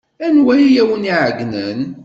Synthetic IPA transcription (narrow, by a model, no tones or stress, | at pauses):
ænwæjijæwəniʕəɡnən